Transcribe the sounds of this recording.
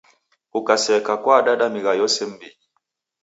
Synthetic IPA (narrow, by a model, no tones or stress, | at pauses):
ukasɛkakwaɗaɗamiɣajɔsɛm̩biɲʄi